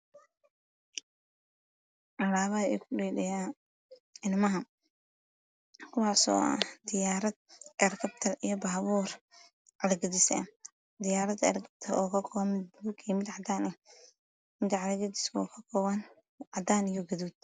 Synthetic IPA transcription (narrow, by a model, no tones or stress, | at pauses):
ʔɑlaːβɐɐɛ̰ːkʰʊɖɛːlɛja | ʔɪnmɐɦɐ | kʰʊwɑːsɔ̰ːʔɐ̰d̪ɪjaːɾɐd̪̚ɐrkʰɐbt̪ʰɐlijɔbaːβuːr | ʕɑlɐɡɐd̪ɪsɐ̰ | d̪ɪjaːɾɐd̪ɛ̰rkʰɐb̚t̪ʰɐlʔɔːkʰɐkʰɔɐmɪd̪bukʰɛːmɪd̪ʕɑd̪aːnɛ | mɪd̪ʕɑlɐɡɐd̪ɪskɔkʰɐkʰɔβɐn | ʕɑd̪aːnɪjɔɡɐðuːd̪̚